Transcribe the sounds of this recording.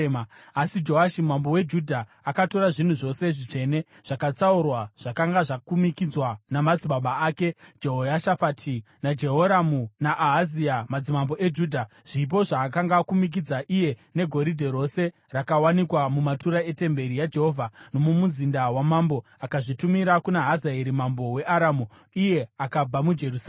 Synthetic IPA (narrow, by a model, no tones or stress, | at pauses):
asid͡ʒo̞ɦaʃimambo̞we̞d͡ʒudʱaːkato̞ɾaʐin̤uʐo̞se̞ʐit͡ʂe̞ne̞ | ʐ̥akat͡saurwaʐ̥akaŋɡaʐakumikid͡zwanamad͡ziɓaɓaaːke̞d͡ʒeɦojaʃafatʰi | nad͡ʒe̞ɦo̞ɾamunaʔaɦaziamad͡zimambo̞ʔe̞d͡ʒuːdʱa | ʐ̥ip̬o̞ʐaːk̬aŋɡakumik̬id͡zaʔije̞ne̞ɡʱo̞ɾidʱe̞ɾo̞se̞ | rakawanikwamumatuɾae̞te̞mbe̞ɾijad͡ʒe̞ɦo̞vʱano̞mumuzindawamambo̞ | akaʐitumiɾakunaɦazaeɾimambo̞we̞ʔaɾamu | ije̞akab͡vamud͡ʒe̞rusa